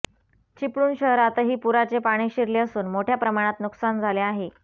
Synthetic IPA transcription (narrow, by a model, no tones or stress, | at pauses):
t͡ɕipɽuːnɕəɦɾat̪əɦiːpuɾat͡sepaɽ̃iːɕiɾleəsuːnmoʈʰjapɾəmaɽ̃at̪nuksand͡zʱaleaɦe